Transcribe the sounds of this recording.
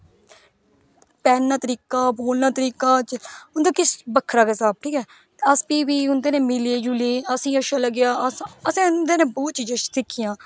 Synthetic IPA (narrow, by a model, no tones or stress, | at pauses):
pɛːnnaːt̪əɾiːkaːboːlnãːt̪əɾiːkaːt͡ʃʊnd̪aːkɪsbəkʰːɾaːkesaːb̚ʈʰiːkɛː | əspiːʋiːʊnd̪eːnẽːmɪleːd͡ʒuːleːəsĩːəʃaːləɡɪjaːəsəsẽːnd̪eːnẽːboːt̪̚t͡ʃiːd͡ʒəʃt̪ɪkʰːɪjãː